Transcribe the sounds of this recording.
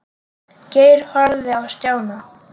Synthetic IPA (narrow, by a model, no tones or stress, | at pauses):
ceːjɾ̥hɔɾðɪawst̪jaːwna